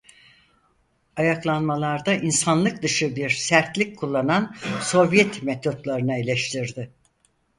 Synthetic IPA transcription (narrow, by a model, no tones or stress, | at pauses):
ajaklˠanmalˠaɾd̪aʔinsanlˠɯk̚d̪ɯʃɯbiɾsæɾt̪lʲikkʰːulˠːananso̞vjɛt̪met̪ʰot̪lˠaɾɯnailʲɛʃt̪ʰiɾd̪ɪ